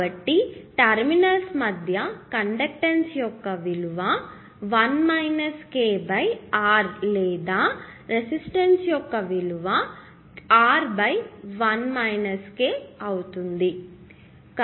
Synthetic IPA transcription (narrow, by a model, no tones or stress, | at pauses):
ɐʈːiʈɐɾminɐlsmɐd̪ʱjɐkɐɳɖek̚ʈɐnsjɔkːɐʋiluʋɐ | ʋɐnmɐjnɐskeːbɐjaːɾlɛːd̪aːɾesisʈensjɔkːɐʋiluʋɐ | aːɾbɐjʋɐnmɐjnɐskeːɐwut̪und̪i | k